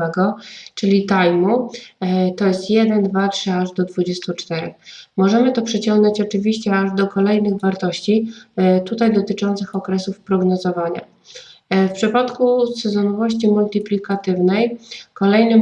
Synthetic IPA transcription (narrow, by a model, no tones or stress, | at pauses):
ɛɡɔt͡ʂɘlʲit̪ajmu | t̪ɔjɛst̪jɛd̪ɛnd̪vatʂɘaʐd̪ɔd̪vud͡ʑest̪ut͡ʂt̪ɛɾɛ̰xmɔʐɛmɘt̪ɔpʂɛt͡ɕɔŋɡnɔt͡ɕɔt͡ʂɘvʲiɕt͡ɕɛaʐd̪ɔkɔlɛjnɘɣvaɾt̪ɔɕt͡ɕit̪ut̪ajd̪ɔt̪ɘt͡ʂɔnt̪sɘxɔkɾɛsufpɾɔɡnɔzɔvaɲa̰ | fpʂɘpat̪kusɛzɔnɔvɔɕt͡ɕimult̪ɘplʲikat̪ɘvnɛjkɔlɛjnɘ